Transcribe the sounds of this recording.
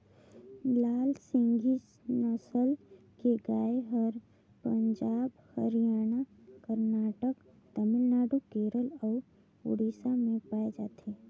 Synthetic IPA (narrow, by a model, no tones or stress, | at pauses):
laːlsɪ̃ŋɡis | nəsəl | keɡaːeɦəɾ | pəɲd͡ʒaːbhəɾijaːña | kəɾnaːʈək | t̪əmɪlnaːɖokeːɾəlɔːɾ | ʊ̰ɽiːsamẽpaːed͡ʒaːt̪ʰe